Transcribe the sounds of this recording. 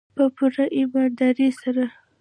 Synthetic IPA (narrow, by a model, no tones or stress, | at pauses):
pəpuɾaʔɪbɑd̪ɑɾisaɾa